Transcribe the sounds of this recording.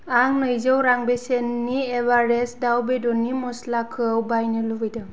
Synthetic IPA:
aŋnɯjzəwɾaŋbesenːiebaɾesdawbedɔnimɔslakʰɯwbajnɯlubɯjdɯ

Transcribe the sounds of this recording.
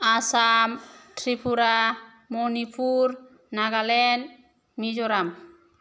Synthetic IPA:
asamʈʰɾipʰuɾa | mɔnipʰuɾ | naɡalɛn | mid͡ʒɔɾam

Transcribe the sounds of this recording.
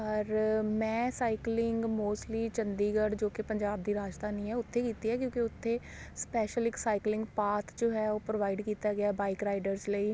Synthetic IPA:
əɾmɛ̃ːsaːɪklɪŋɡmoːsʈliːt͡ʃənd̪iːɡəɖd͡ʒoːkɪpəɲd͡ʒaːb̚d̪iːɾaːd͡ʒd̪aːnĩːɦɛːʊt̪ʰːeːkiːt̪iːɛːkjõːkiʊt̪ʰːeː | spɛːʃəlɪksaːɪklɪ̃ŋɡpaːt̪ʰd͡ʒoːɦɛːoːpɾoːʋaːɪɖkiːt̪aːɡɪaːbaːɪkɾaːɪɖəɾzləiː

